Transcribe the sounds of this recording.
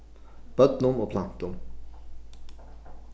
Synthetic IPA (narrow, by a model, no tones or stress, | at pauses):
b̥œd̪nʊmoːpʰlant̪ʊm